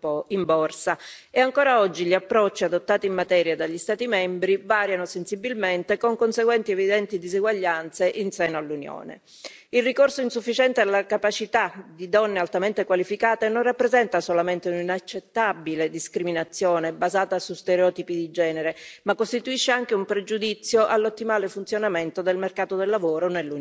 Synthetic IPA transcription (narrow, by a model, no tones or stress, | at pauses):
oimbɔrsaeaŋkoːɾaɔd͡ʒːiʎiapːɾɔt͡ʃːiad̪ot̪ːaːt̪iːmːat̪ɛːɾjad̪aʎːist̪aːt̪imɛmbɾivaːɾjanosensibilment̪ekoŋkonseɡwɛnt̪iɛvid̪ɛnt̪id̪iziɡwaʎːant̪seʔinsɛːnoalːunjo̰ːnḛ | ilrikorsoinsufːit͡ʃɛnt̪ealːakapat͡ʃit̪ad̪id̪ɔnːealt̪ament̪ekwalifikaːt̪enonrapːɾezɛnt̪asolament̪euninat͡ʃːet̪ːabiled̪iskɾiminat̪sːjɔːnebazaːt̪asust̪eɾeɔt̪ipid̪id͡ʒɛːneɾemakːost̪it̪uiʃːeaŋk̟eumpɾed͡ʒud̪it̪sːjoʔalːot̪ːimaːlefunt̪sjonament̪od̪elmerkaːt̪od̪elːavoːɾonelːu